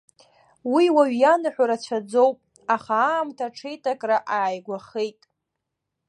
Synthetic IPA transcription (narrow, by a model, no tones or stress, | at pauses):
wiwaɥjanɨħʷᶣaɾat͡ɕʷʰad͡zo̞wpʼ | aχaːmtʰaʈ͡ʂʰe̞jtʰʼakʼraʔaːjɡʷaχejtʼ